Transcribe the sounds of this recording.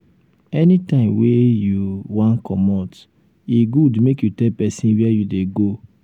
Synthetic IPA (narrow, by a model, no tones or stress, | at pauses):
ɛnitãɪ̃mwejuwãnkʰɔmɔt | iɡudmekjutɛlpɛsĩnwɛɛjudeɡo